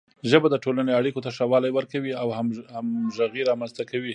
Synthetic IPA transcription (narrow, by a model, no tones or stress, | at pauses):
ʒəbad̪əʈolaneaɽikot̪aʃawɑlajwəɾkawiawhamhamʒaɣiɾɑmanzt̪akawi